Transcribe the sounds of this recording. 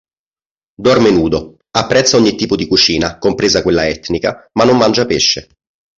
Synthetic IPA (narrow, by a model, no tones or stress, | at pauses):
d̪ɔrmenuːd̪o | apːɾɛt̪sːaɔɲːit̪ːiːpod̪ikut͡ʃiːnakompɾeːzakwelːaɛt̪ːnika̰manːomːand͡ʒapeʃːe